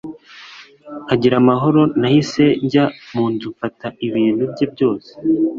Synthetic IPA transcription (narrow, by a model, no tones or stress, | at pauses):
aɟiɾamaɦo̞ɾo̞nahise̞ɲɟamuːntufataʔiβiːn̥hubɟebɟo̞ːse̥